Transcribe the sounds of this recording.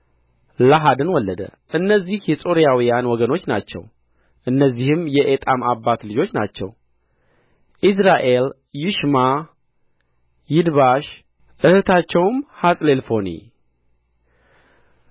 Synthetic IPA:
laɦad̪ɨnwɔlːəd̪ə̰ | ʔɨnːəzːihjɛsʼo̞ɾijawijanwɔɡəno̞t͡ʃːna̰t͡ʃːɛ̰w | ʔɨnːəzːihɨmjɛʔet̪ʼamabːat̪lɨd͡ʒo̞t͡ʃːna̰t͡ʃːɛ̰w | ʔis̬ɾaʔe̞l | jɪʃma | jɪd̪βaʃ | ʔɨhɨt̪ʰat͡ʃːɛwmhasʼle̞lfo̞nḭ

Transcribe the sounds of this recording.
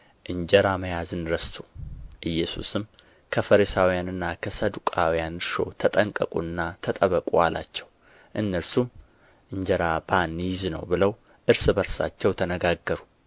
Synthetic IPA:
ʔɨɲd͡ʒɛɾaməjazɨnɾəst̪ʰoʔɨjːɛsṵsɨm | kʰəfəɾisawijanɨnːakʰəsəd̪ukʼawjanɨɾʃo̞̰t̪ʰət̪ʼəŋkʼəkʼunːat̪ʰət̪ʼəβəkʼualʔa̰t͡ʃːɛw | ʔɨnːəɾsum | ʔɨɲd͡ʒəɾabanːjɪznə̰wbɨləw | ʔɨɾsɨbəɾsa̰t͡ʃːɛwt̪ʰənəɡaɡːəɾu

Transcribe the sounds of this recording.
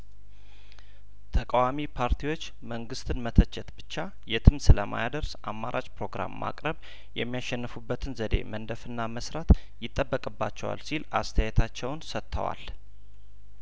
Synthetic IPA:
t̪ʰəkʼawamipʰaɾt̪ʰiwo̞t͡ʃː | məŋɡɨst̪ʰɨnmət̪ʰət͡ʃːɛt̪bɨt͡ʃːa | jɛt̪ʰɨmsɨləma̰jad̪əɾsʔamːaɾʔat͡ʃʼpɾo̞ɡɾa̰mːa̰kʼɾəβ | jɛ̰mːijaʃːɛnːɨfubːət̪ʰɨnzəd̪e̞̰mənd̪əfɨnːaməsɾat̪jɪt̪ʼːəbːəkʼɨbːa̰t͡ʃːɛwa̰lsilʔa̰st̪ʰəjɛt̪ʰat͡ʃːɛwnsət̪ʰːə̰wa̰l

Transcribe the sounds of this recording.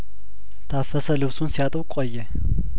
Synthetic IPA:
t̪ʰafɐsɐlɨβsunsijat̪ʼɨwkʷʼɔjːɛ

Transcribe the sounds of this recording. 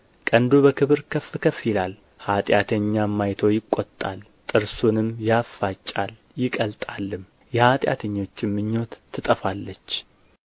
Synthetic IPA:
kʼənd̪ubəkʰɨβɨɾkʰəfɨkʰəfilal | hat̪ʼjat̪ʰəɲːamːajt̪ʰo̞jɪkʷʼːot̪ʼːa̰l | t̪ʼɨɾsunɨmjafːat͡ʃʼːal | jɪkʼəlt̪ʼalːɨm | jɛhat̪ʼja̰t̪ʰəɲːo̞t͡ʃːɪmːɨɲːo̞t̪ʰːɨt̪ʼəfalːət͡ʃː

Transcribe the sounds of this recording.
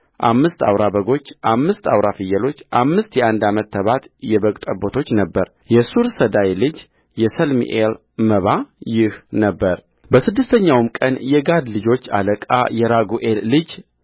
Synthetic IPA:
ʔamːɨst̪a̰wɾabəɡo̞t͡ʃːʔamːɨst̪a̰wɾafɨjːɛlo̞t͡ʃːʔamːɨst̪jɛʔand̪amət̪ʰːəβat̪jɛβəkʼt̪ʼəbot̪ʰo̞t͡ʃːnəbːəɾ | jɛsuɾsəd̪ajlɨd͡ʒ | jɛsəlmḭʔel | məβajɪhnəbːəɾ | bəsɨd̪ːɨst̪ʰəɲːawmkʼənjɛɡad̪lɨd͡ʒo̞t͡ʃːa̰ləkʼa̰jɛɾaɡuʔelːɨd͡ʒ

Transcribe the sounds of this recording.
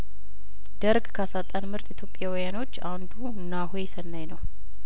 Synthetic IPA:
d̪̥əɾɡkʰəasat̪ʼanmɨɾt̪ʼɪt̪ʰjo̞pʼːjawijano̞t͡ʃːand̪uɨnːaɦojsənːajnəw

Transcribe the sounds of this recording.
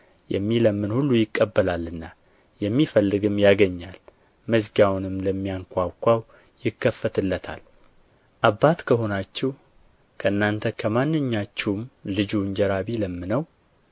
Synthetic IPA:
jɛ̰mːiləmːɨnhulːujɪkʼːəbːəlalɨnːa | jɛmːifəlːɨɡɨmjaɡəɲːal | məzɡawnɨmləmːijaŋkʷawkʷaw | jɪkːəfːət̪ʰɨlːət̪ʰa̰l | ʔabːat̪kʰəɦo̞nat͡ʃːɛw | kʰəʔɨnːant̪ʰəkʰəmanːɨɲːat͡ʃːɛwmlɨd͡ʒuɲd͡ʒɛɾaβiləmːɨnəw

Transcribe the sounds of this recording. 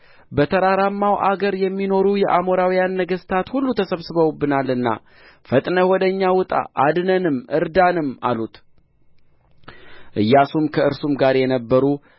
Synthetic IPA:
bət̪ʰəɾaɾamːawʔaɡəɾjɛmːino̞ɾujɛʔamoɾawijanːəɡəst̪ʰat̪hulːut̪ʰəsəβsɨβəwbːɨnalɨnːa̰ | fət̪ʼnəwɔd̪əɲːawʊt̪ʼa̰ʔad̪nənɨmʔɨɾd̪anɨma̰lut̪ | ʔɨjːasumkʰəɨɾsumɡaɾjɛnəbːəɾu

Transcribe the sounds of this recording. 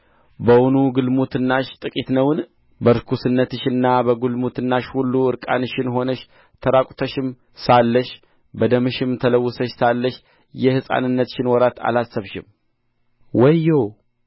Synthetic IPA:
bəwʊnuɡɨlmut̪ʰɨnːaʃt̪ʼɨkʼit̪nəwn | bəɾkʰusɨnːət̪ɨʃɨnːabəɡulmut̪ʰɨnːaʃhulːuɨɾkʼa̰nɨʃɪnɦo̞nəʃ | t̪ʰəɾakʷʼut̪ʰəʃɪm | salːəʃ | bəd̪əmɨʃɪmt̪ʰələwːʊsəʃsalːəʃ | jɛhɨsʼa̰nɨnːət̪ʃɪnwɔɾat̪ʰa̰lasːəβʃɪ̰m | wəjow

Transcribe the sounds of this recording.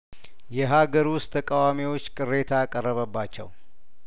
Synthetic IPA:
jɛɦaɡəɾwʊst̪ʰːəkʼawamiwo̞t͡ʃːkʼɨrːe̞t̪ʰaakʼərːəβəbːat͡ʃːɛ̰w

